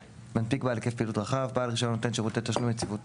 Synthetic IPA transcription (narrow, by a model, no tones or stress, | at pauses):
manpikbalekefpilutʁaχavbaːlʁiʃonːotenʃeʁot̪et̪aʃnujet͡sivut